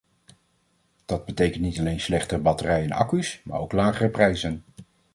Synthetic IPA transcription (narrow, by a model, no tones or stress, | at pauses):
d̥ɑd̚bətejkəntnitɑlejnslɛχtərbɑtərɛjɛnɑ̰kysma̰ːɹowklaːχərəprɛjzən